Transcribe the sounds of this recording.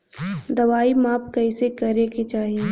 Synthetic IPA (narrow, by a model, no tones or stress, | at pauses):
d̪ɐʋaːimaːpkɐɪsekɐɾeket͡ʃaːɦie